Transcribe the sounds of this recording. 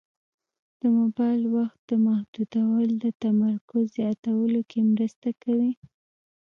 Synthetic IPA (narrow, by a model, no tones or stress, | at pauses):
d̪̥əmobɑjlwaxt̪̚d̪əmahd̪ud̪awəld̪ət̪amaɾkʊzːjɑt̪awəlokʰemɾəst̪akawi